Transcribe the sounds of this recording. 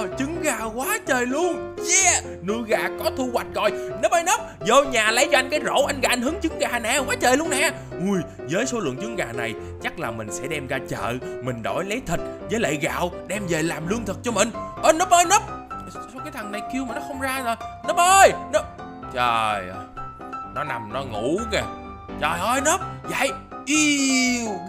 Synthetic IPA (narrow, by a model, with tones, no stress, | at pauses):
t͡ɕɨ˨˦ŋɣaː˨˩kwaː˨˦t͡ɕəː˨˩jlu˧əŋt͡ɕɛ˧˩ | nɨ˧˨ɣaː˨˩kɔ˨˦t̪ʰu˧ɣwa˨˩jt̟̚ɣɔ˨˩jnəː˦˥p̚ʔəː˧jnəː˦˥p̚zo˧wɲaː˨˩lə˨˦jt͡ɕɔ˧ʔa˧jŋ̟kaː˨˦jzo̰˧˥ʔa˧jŋ̟ɣaː˨˩ʔa˧ŋ̟ɦɨ˨˦ŋt͡ɕɨ˨˦ŋɣaː˨˩nɛ̰ː˧˨waː˨˦t͡ɕəː˨˩jlu˧ənɛ̰ː˧˨˩ | ʔu˨˩j | zəː˨˦jso˨˦lɨ̰˧˨ŋt͡ɕɨ˨˦ŋɣaː˨˩na˨˩j | t͡ɕa˦˥k̚laː˨˩mï˨˩ŋ̟sɛ̰˧˥ɗɛ˧mɣaː˧t͡ɕə̰ː˧˨mï˨˩ŋ̟ɗo̰˧˩jlə˨˦jt̪ʰï˨˩k̟̚zəː˨˦jlḛ˧˨ɣa̰ː˧˨wɗɛ˧mze˨˩laː˨˩mlɨ˧əŋt̪ʰɨ˨˩k̚t͡ɕɔ˧mï˨˩ŋ̟ʔəː˧jnəː˦˥p̚ʔəː˧jnəː˦˥p̚skaː˨˦jt̪ʰa˨˩ŋna˨˩jki˧əwmaː˨˩nɔ˨˦xə˧wŋ͡mzaː˧zo˨˩jnəː˦˥p̚ʔəː˧jnəː˦˥p̚ | t͡ɕəː˨˩j | nɔ˨˦na˨˩mnɔ˨˦ŋu˧˩˥ɣə˨˩ | t͡ɕəː˨˩jʔəː˧jnə˦˥p̚za̰˧˨jʔi˧